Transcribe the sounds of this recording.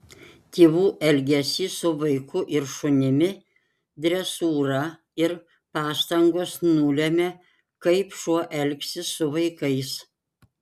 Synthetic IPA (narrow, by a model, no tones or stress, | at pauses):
t̪ʲeːʋuːʔɛlʲɡʲɛsʲiːsʊʋɐɪkʊʔɪɾʃʊnʲɪmʲɪ | d̪ʲɾʲɛsuːɾɐ | ɪɾ | pɑːst̪ɐŋɡoːsnuːlʲɛmʲe | kɐɪpʃuɔʔɛlʲkʲsʲɪsʊʋɐɪkɐɪs